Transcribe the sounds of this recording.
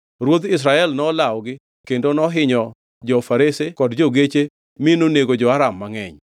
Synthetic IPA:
ɾwod̪ɪs̬ɾaɛlnɔlawɡɪ | kendonɔɦɪɲɔ | d͡ʒɔfaɾesekɔdd͡ʒoɡet͡ʃe | mɪnoneɡod͡ʒɔaɾamːaŋɛ̰ɲ

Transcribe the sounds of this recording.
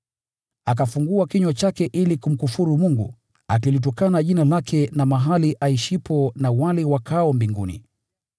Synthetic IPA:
ak̬afuŋɡuakiɲwat͡ʃakɛʔilikum̩kufuɾumuŋɡṵ | a̰kilit̬ɔkanaʄinalakʰɛnamaɦaliʔaiʃipɔnawalɛwakaɔmbiŋɡṵnḭ

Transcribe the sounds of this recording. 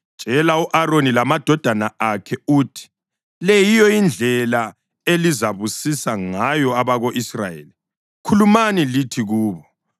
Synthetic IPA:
ʒ̥ʼʱɛlauʔaronilamad̥ʱɔd̥ʱanaʔakʰɛuːtʰi̥ | lɛjijɔind͡ɮʱɛla | elizaβusisaŋajɔaβaɣoʔisra̰jḛːli | kʰulumanilitʰiɣuːβɔ

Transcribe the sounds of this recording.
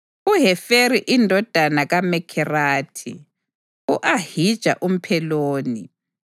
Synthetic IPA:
uɦɛfeɾiʔindʱɔd̥ʱanaɣamɛkʰɛraːtʰḭ | uʔahid̥ʒ̥ʱa̰ʔum̩pʰɛloːni

